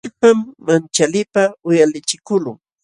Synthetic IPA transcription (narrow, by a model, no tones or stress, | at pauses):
pamːant͡ʃalɪpaʊjalɪt͡ʃɪkʊlʊŋ